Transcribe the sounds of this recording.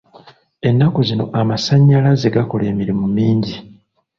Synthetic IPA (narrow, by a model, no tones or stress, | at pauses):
e̞nːakuzino̞̰ʔamasaɲːalaze̞ɡako̞le̞ːmiɾimumiːɲɟi